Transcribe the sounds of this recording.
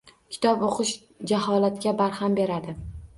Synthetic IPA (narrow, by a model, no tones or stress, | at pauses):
kʲʰɪ̥t̪ʰɒpoqɨʃ | d͡ʒaɦɒlat̪kʲabaɾhambe̞ɾad̪ɪ